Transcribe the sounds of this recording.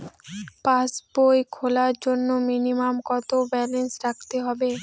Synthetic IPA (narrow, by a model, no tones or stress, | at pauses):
pasbojkʰolaɾd͡ʑonːominimamkɔt̪obɛlensɾakʰt̪eɦɔbe